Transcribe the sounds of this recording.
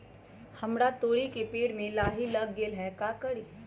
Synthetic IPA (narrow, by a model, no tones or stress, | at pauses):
hɐmɽat̪oːɽikepeːɽmẽlaːɦilɐɡːeːlɦɛkaːkəɽiː